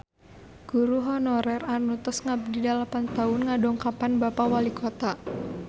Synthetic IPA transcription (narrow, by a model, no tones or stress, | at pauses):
ɡ̥uɾuɦɔnɔɾɛranut̪ɔsŋadidalapant̪aʊnŋadɔŋkapanbapawalikʰɔt̪a